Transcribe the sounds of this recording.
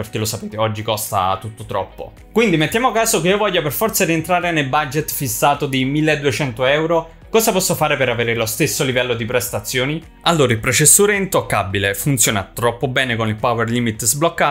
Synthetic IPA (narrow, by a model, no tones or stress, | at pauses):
perk̟elosapeːt̪eɔd͡ʒːikɔst̪a̰t̪ut̪ːot̪ɾɔ̰pːo̰ | kwind̪imet̪ːjaːmoakːaːzok̟eiovɔʎːaperfɔrt̪sad̪ient̪ɾaːɾenelbad͡ʒet̪fisːaːt̪od̪imilːeed̪ːuet͡ʃɛnt̪oɛwɾo | kɔːszapɔsːofaːɾepeɾaveːɾelost̪esːolivɛlːod̪ipɾest̪at̪sːjoːni | alːoːɾailpɾot͡ʃesːuːɾeint̪okːabːilefunt̪sjoːnat̪ɾɔpːobɛːnekonilpawerlimit̪ːzblokːaː